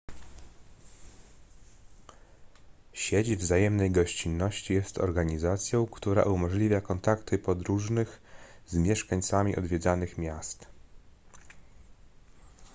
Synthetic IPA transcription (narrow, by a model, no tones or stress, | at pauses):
ɕed͡ʑvzajɛmnɛjɡɔɕt͡ɕinːɔɕt͡ɕijɛst̪ɔ̰ɾɡaɲizat̪sʲjɔ̃w̃kt̪uɾa̰ʔumɔʐlʲivʲjakɔnt̪akt̪ɘpɔd̪ɾuʐnɘxzmʲjɛʂkaɲt̪samʲiʔɔ̰d̪vʲjɛd̪zanɘxmʲjast̪